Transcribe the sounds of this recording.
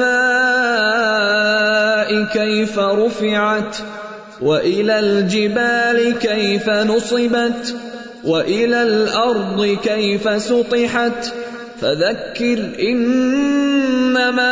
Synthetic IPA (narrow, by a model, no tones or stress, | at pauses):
aː | ʔɪkajfaɾˤʊfɪʕat̪ | waʔɪlaːld͡ʒɪbaːlɪkajfanʊsˤɨbat̪ | waʔɪlaːlʔɑɾˤd̪ˤɨkajfasʊt̪ˤɨħat̪ | faðakːɪɾʔɪn | amaː